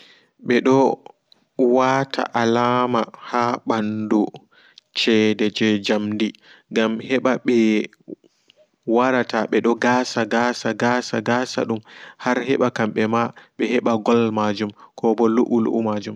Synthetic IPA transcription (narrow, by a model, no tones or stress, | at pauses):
ɓɛɗɔ | waːtʰa̰ʔalaːmahaɓandu | t͡ʃɛdɛd͡ʒɛd͡ʒamdiɡamhɛɓaɓɛ | waɾataɓɛɗɔɡaːsaɡaːsaɡasa̰ɡaːsa̰ɗumhaɾhɛɓakamɓɛmaɓɛhɛɓaɡɔlmad͡ʒumkʰɔbɔluʔulṵʔumad͡ʒum